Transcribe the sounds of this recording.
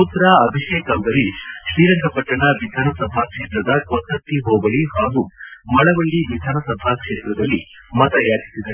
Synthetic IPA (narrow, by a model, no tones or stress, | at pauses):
ut̪ːɐɾaɐbʱiʃeːkɐmɡ̪ɐɾiʃɾiːɾɐŋɡʱɐpɐʈːɐɳɐʋid̪ʱaːnɐsɐbʱakʂe̞ːt̪ɾɐd̪ɐkɔt̪ːɐt̪ːiɦoːɡɐɭihaːɡumɐɭɐʋɐɭːiʋid̪ʱaːnɐsɐbʱakʂeːt̪ɾɐd̪ɐlːi | mɐt̪ɐjaːd͡ʒisid̪ɐɭ